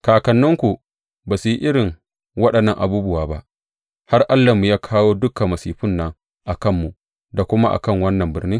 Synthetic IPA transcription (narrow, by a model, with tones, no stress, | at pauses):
kaː˨kɐ˨nːʊ˦ŋkʷu˨ | baː˨su˨ji˦ʔɪ˦ɽɪ˨ŋ | wɐ˦ɗɐ˨nːɐ˨ŋʔa˨buː˦bʊ˦waː˨ba˦ʔ | ha˦rʔa˦lːa˨mu˨jaː˦kʰaː˦woː˦dʊ˦kɐ˨mːɐ˨siː˨ɸʊ˦nːɐ˦ŋ | ʔa˨kɐ˦˨mːu˨ | da˨kʷʊ˦ma˦ʔa̰˨kɐ˦˨ŋwɐ˦nːɐ˨mbɪ̰˦rniː˦